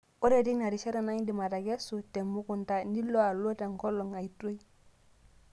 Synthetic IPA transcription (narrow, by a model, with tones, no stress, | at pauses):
o˦ɾe˨di˦na˨ɾi˨ʃe˦ɾa˨na˦ɲ˦di˨ma˨ta˨ɡe˦su˨te˨mːu˦ku˨nta˨ni˦lo˦a˨lo˦te˨ŋko˦lːo˨ŋa˨i˨to˦j